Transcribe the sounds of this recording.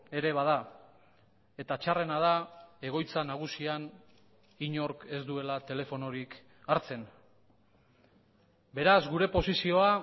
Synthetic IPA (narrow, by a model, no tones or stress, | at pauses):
e̞ɾe̞β̞að̞a | e̞t̪at͡ʃare̞nað̞ae̞ɣ̞o̞jt͡sanaɣ̞usian | iɲo̞ɾke̞zd̪ue̞lat̪e̞le̞fo̞no̞ɾik | aɾt͡se̞n | be̞ɾazɡuɾe̞po̞sisio̞a